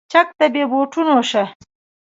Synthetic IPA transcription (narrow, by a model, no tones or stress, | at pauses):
t͡ʃak̚t̪abeboʈʰunoʃa